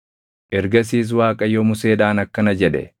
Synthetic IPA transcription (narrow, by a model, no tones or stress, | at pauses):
ʔɛɾɡɐs̬iːs̬waːkʼɐjɔmʊse̞ːᶑaːnɐkːɐnɐd͡ʒɛᶑɛ̰